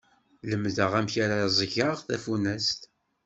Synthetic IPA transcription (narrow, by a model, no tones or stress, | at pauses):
ləmðəʁæmçaɾazˤʝəʁθæfunæst̪